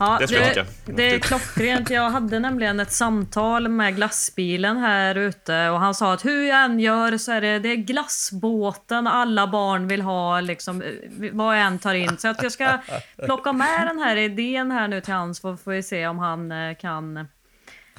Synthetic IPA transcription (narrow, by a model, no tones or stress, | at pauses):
ɑːd̪ɛɛ | d̪ɛkʰlɔkːɾeːnt̪jɑːɡɦad̪ːənɛmlɪɡənɛt̪samt̪ʰɑːlmɛɡlasbiːlənɦæːɾʉ̟ːt̪əɔɦansɑːat̪hɵjɑɛnːjœːɾsɔæːɖɛd̪ɛːɡlasboːt̪ənalːabɑːɳvɪlɦɑːlɪksɔmvɑɛnːt̪ʰɑːɾɪnːsɔat̪jɑːskapʰlɔkːamɛd̪ɛnɦæːɾɪd̪eːənɦæːɳʉ̟ːt̪ʰɪlhansfɔfoːvɪseːɔmɦankʰan